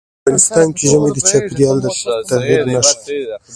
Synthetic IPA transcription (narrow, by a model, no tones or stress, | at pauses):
ɑnɪst̪ɑnkeʒəmed̪ət͡ʃɑpiɾjɑld̪ət̪aɣid̪naʃ